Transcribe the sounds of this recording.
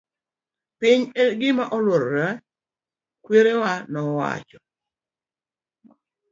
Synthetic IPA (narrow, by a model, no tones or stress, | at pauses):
pɪɲeɡɪmaʔɔlwoɾɾa | kweɾewanɔwa̰t͡ʃɔ̥